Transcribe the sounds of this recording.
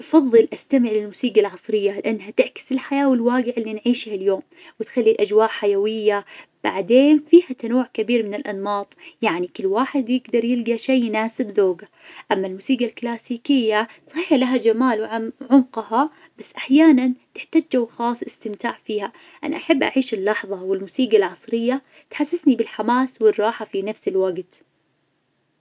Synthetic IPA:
ʔɑfɑðˤːɨlʔast̪amɪʕlɪlmuːsiːɡalʕɑsˤɾɪjːalɪʔanːɦat̪ɪʕkɪ̥sɪlħajaːwɪlwaːɡɪʕɪlːinʕiːʃhaljoːm | wɪt̪xalːilʔad͡ʒwaːʔħajawɪjːab̥aʕd̪eːnfiːhat̪anuwːʕkabiːɾmɪnɪlʔɑ̰nːɑːt̪ˤjaʕnikɪlːwaːħɪd̪jɪɡd̪ɑɾˤjɪlɡaʃeːnaːsɪbðoːɡa | ʔamːalmuːsiːɡalklaːsiːkɪjːasˤɑxiːħlaɦad͡ʒamaːlwʕaʕʊmqhɑ | b̥asːʔaħjaːnant̪ɪħt̪aːd͡ʒd͡ʒawxɑːsˤʔɪst̪ɪmt̪aːʕfiːha | ʔa̰na̰ʔaħabːʔa̰ʕiːʃɪlːɑħðˤɑwɪlmuːsiːɡalʕɑsˤɾɪjːa | t̪ħasːɪsnibɪlħamaːswɪrˤːɑːħafinafsɪlwaɡt̪

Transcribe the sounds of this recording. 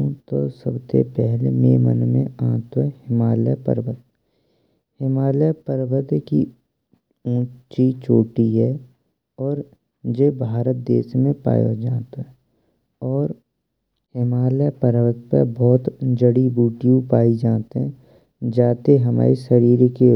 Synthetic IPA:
t̪o̰səbsḛpɛɦlḛmemə̰nmḛ̃ãːt̪ɛhɪmaːləpə̰ɾʋət̪ | hɪmaːljəpəɾʋət̪ki | ũːt͡ʃit͡ʃoːʈiɦɛ | ɔːɾ | d͡ʒebʱaːɾət̪̚d̪eːʃmẽpa̰ːjo̰d͡ʒaːt̪aɦɛ | ɔːɾ | hɪmaːləpəɾʋət̪̚pə̰bɔːt̪d͡ʒəɽibuːʈijũpaːid͡ʒaːt̪ɦɛ̃ | d͡ʒaːt̪eɦəma̰ːiʃəɾiːɾke

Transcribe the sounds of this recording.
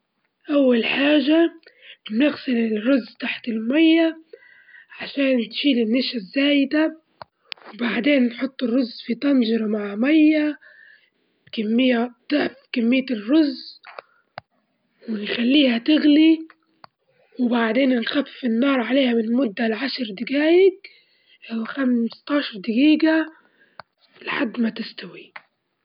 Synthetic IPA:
ʔawːalħaːʒa | nɪɣsɪlɪlrʊzːt̪aħt̪ɪlmajːa | ʕaʃaːnt̪ʃiːlɪnːaʃazːaːjɪd̪a | wbaʕd̪eːnːħʊt̪ˤːɪrːʊzːfit̪ɑnʒɪɾˤɑmaʕmajːa | kamːɪjːat̪aʕfkamːɪjːarːʊz | wɪnxalːiːhat̪ɪɣli | wbaʕd̪eːnnxafɪnːɑːɾˤʕaleːhamɪnmʊd̪ːalʕaʃɾˤd̪ɪɡaːjɪɡ | ʔawxamst̪ɑːʃɑɾˤd̪ɪɡiːɡa | lħad̪ːmat̪ɪst̪awi

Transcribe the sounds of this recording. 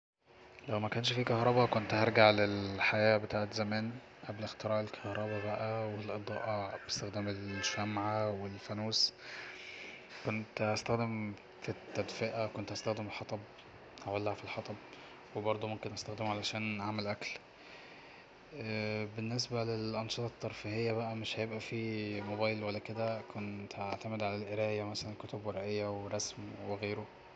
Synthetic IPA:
læwmækæːnʃfikɑhɾˤɑbɑkont̪hɑɾˤɡaʕlelħajæːbet̪aːʕet̪zæmæːn | ʔæblext̪eɾˤɑːʔelkʰæhɾˤɑbæbæʔæwelʔed̪ˤɑ̰ːʔɑʕbest̪æxd̪æːmelʃæmʕawelfænuːs | kont̪hæst̪æxd̪em | fit̪ːæd̪feʔækont̪ʔæst̪æxd̪emelħɑt̪ˤɑb | hæwælːæhfilħɑt̪ˤɑb̚ | webɑɾˤd̪ˤumomkenʔæst̪æxd̪ɪmʕalæʃæːnʕamælʔækl | benːes̬bælelʔɑnʃet̪ˤɑt̪ːɑɾˤfehejːæbæʔæmeʃhæjebʔæfimobæːjlwælːæked̪ækʰont̪ʔaʕt̪æmed̪ʕalælʔeɾæːjæmæsælænkot̪obweɾˤʔejːæweɾˤɑsmweɣeːɾo

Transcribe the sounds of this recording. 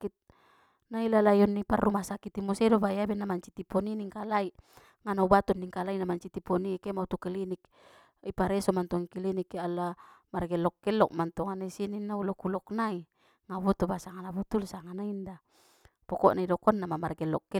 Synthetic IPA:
kit̪̚ | nailalajɔnːiparumasakit̪imusɛdɔbajabɛnamaɲt͡ʃit̪ipɔniniŋkalaiʔ | ŋanaubat̪ɔnːiŋkalainamaɲt͡ʃit̪ipɔnikemaut̪ukɛlinik̚ | ipaɾɛsɔmant̪ɔŋikilinikalamarɡɛlɔkːɛlɔk̚mant̪ɔŋanaisininːaulɔkulɔknai | ŋaβɔt̪ubasaŋanabut̪ulsaŋanainda | pɔkɔʔnaidɔkɔnːamamarɡɛlɔkːɛ

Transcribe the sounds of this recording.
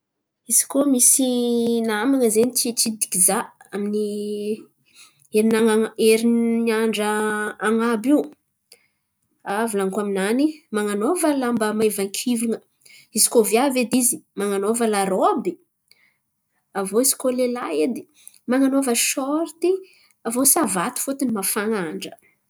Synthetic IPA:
iz̥i̥komisinamaŋəzenit͡ʃit͡ʃid̪i̥kizaamini | eɾinaŋaeɾinniaɳɖ͡ʐəaŋabiw | avulaŋkaminanimaŋanovəlambəmaevaŋkʲʰiviŋə | izi̥kovjaved̪izimaŋanovəlaɾobi | avoisi̥kolelaed̪i | maŋanovəʃɔɾt̪i | avosavat̪u̥fot̪inimafaŋaɳɖ͡ʐə̥

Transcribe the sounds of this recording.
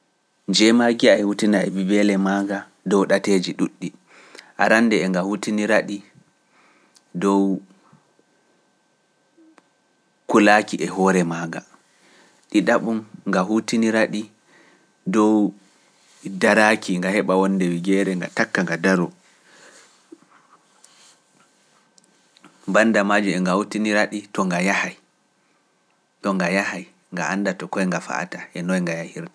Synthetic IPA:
nd͡ʒɛmaɡiaɛhutinaɛ̰bibɛlɛmaɡa | dɔwɗated͡ʒiɗuɗːi | ʔaɾanːdɛːŋɡahutiniɾaɗi | dɔw | kulaːkiʔɛɦɔɾɛmaːɡa | ɗiɗaɓumŋɡaɦutiniɾaɗi | dɔw | daɾakʰiŋɡahɛɓawɔndɛwiɡɛɾɛŋɡa̰takːaŋɡadaɾɔ | banːdamad͡ʒumɛŋɡahutiniɾaɗitɔŋɡajahaj | tɔŋɡajahaj | ŋɡaʔandatɔkɔjŋɡafa̰ʔa̰taʔɛnɔjŋɡajahiɾta

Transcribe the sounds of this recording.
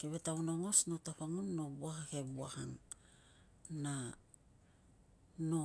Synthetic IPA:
keβe̞taunoŋo̞sno̞tapaŋonːo̞buahahe̞buahaŋ | na | no̞

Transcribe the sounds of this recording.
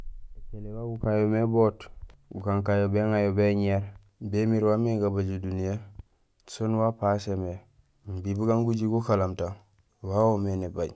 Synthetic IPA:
et͡ʃelewaɡukajomeboːtbukaŋkajobeŋajobeɲeɾ | bemiɾwameɡabaɟudunije | sonwapaseme | bibuɡaŋɡuɟiɡukalamta | wawomenebaɟ

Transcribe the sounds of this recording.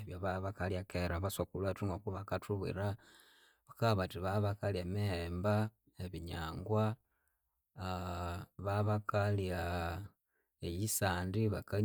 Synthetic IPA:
eβjoβaβakaljakeɾaβasokulatuŋɡokuβakatʰuβḭɾa | βakaβatiβaβakalemiheːmba | eβiɲaːŋɡwa | βaβakalja | ejisaːndiβaka

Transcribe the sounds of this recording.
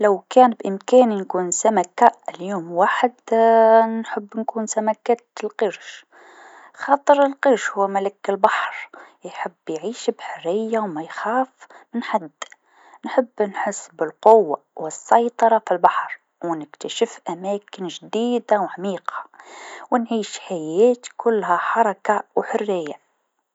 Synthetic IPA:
lawkæːnbʔɪmkæːninkuːnsæmækaɪljoːmwaːħəd̪ | nħəbːnkuːnsæmækæːt̪lqəɾʃ | xɑːt̪ˤəɾɪlqəɾʃhʊwːmælɪkːɪlbɑħɾˤjħəbːjʕiːʃbħaɾɪjːawmæjxaːfmɪnħad̪ː | nħəbːnħəsːbɪlqʊwːa̰wəsːɑjt̪ˤɑɾˤɑfilbɑħɾˤ | wnɪkt̪aʃɪfʔæmæːkɪnʒd̪iːd̪awʕamiːqɑ̥wnʕiːʃħajæːt̪kʊlːhæħɑɾˤɑkawħʊrːɪjːa

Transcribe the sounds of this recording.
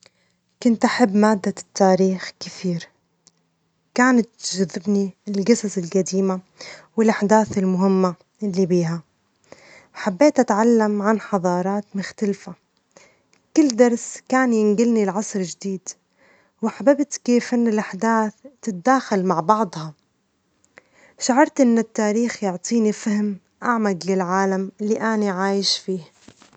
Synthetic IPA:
kʊnt̪ʔaħabːmaːd̪ːat̪ːaːɾiːxkɪθiːɾ | kaːnat̪ʒʊðːɪbniɪlɡɪsazɪlqad̪iːma | wɪlʔaħd̪aːθɪlmʊɦɪmːa | ʔɪlːibiːɦa | ħabːeːt̪ʔat̪ʕalːamʕanħɑðˤɑːɾˤɑːt̪mʊxt̪alfa | kɪlːd̪ɑɾˤskaːnjɪnɡɪlnilʕɑsˤɾd͡ʒɪd̪iːd̪ | wɪħababt̪keːfʔɪnːɪlʔaħd̪aːθt̪ːɪt̪̚d̪aːxalmaʕbɑʕd̪ˤhɑ | ʃaʕɑɾˤt̪ʔɪnːɪt̪ːaːɾiːxjʊʕt̪ˤʰiːnifahɪm | ʔaʕmad̪lɪlʕaːlamɪlːiʔaniʕaːjɪʃfiːh

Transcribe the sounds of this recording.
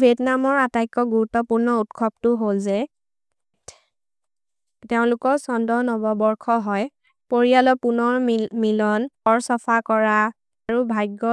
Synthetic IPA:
bʱiɛtnamɔɹatajkːɔɡuɹutɔpuɹnɔutkʰɔptʊɦolzɛ | teʊ̃lʊkɔsɔndɔnɔbɔbɔɹkʰɔɦɔj | poɹialɔpunɔɹmilɔnɔɹsɔfʰakɔɹa | aɹubʱajɡːɔ

